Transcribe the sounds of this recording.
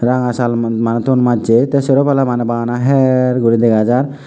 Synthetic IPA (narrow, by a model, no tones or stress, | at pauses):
ɾaŋasalmanɛt̪onmad͡ʒet̪ɛsɔɾopalamanɛbanaɦɛɾɡuɾid̪eɡad͡ʒaɾ